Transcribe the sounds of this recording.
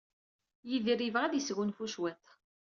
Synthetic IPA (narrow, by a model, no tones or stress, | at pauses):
jiðɾivʁæðisɣunfuʃwæθ